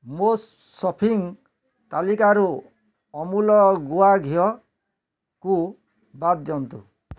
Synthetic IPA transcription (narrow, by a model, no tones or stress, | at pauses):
mo | sɔpʰiŋ | t̪alikaɾu | ɔmulɔɡuaɡʱijɔ | ku | bad̪jɔnt̪ṵ